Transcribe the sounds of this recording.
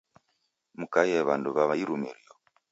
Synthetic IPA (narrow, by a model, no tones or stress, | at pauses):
mukajɛβanduβaβaiɾumiɾijɔ